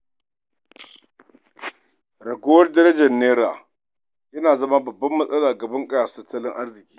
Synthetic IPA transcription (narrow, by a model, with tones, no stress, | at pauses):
ɾɐ˨ɡʷo˦wɐ˦rdɐ˦ɾɐ˦d͡ʒɐ˨nːeː˦ɾa̰ː˨ | jɐ˦naː˨zɐ˦ma˦bɐ˨bːɐ˦mːɐ˦sʼɐ˦laː˨ɡɐ˨bɐ˦ŋkʼɐ˦jaː˨stɐ˦tːɐ˦lɪ˦ŋʔa˦rzɪ˨kʲiː˦